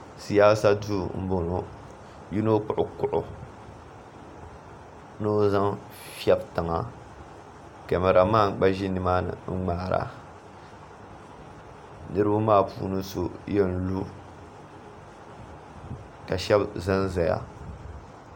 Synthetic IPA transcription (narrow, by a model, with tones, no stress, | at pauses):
si˨jaː˦sa˦du˦m̩˦bo˨no˨ | ji˦no˦k͡pʊ˦˨ʔʊ˦kʊ˨ʔʊ˨ | no˦za˦ŋ | fi˦ɛ˦bta˨ŋa˨ | ka˨mɛ˨ɾa˨maː˦˨˦k͡pa˦ʒi˦nɨ˨ma˦nɨ̰˨ŋ͡m̩˦ŋ͡maː˨˦˨ɾa̰˨ | nɨ˦ɾɨ˦bu˦maː˦˨pṵː˦nɨ˦so˨jɛ˦n˨lu˦ | ka˨ʃɛ˦bzɨ˦nza˨ja̰˨